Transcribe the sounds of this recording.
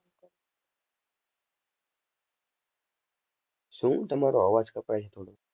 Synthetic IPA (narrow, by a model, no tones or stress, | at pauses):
sũt̪əmaːɾoaːʋad͡zkəpaet͡ʃʰet̪ʰoːɽo